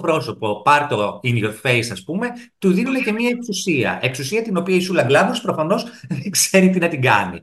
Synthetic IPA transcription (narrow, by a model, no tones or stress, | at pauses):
pɾo̞so̞po̞pɐɾt̪o̞inoɾfe̞jsɐspume̞t̪uðinolece̞mɐe̞ksusiɐ̰ʔe̞ksusiɐt̪ino̞piɐisulɐɡlɐmospɾo̞fɐno̞sðeŋɡz̥e̞ɾit̪inɐt̪iɡɐ̰nḭ